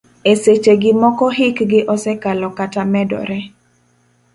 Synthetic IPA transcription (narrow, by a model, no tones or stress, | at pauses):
eset͡ʃeɡɪmɔkɔɦɪkɡɪʔɔsɛkalɔkatamɛdɔ̰ɾɛ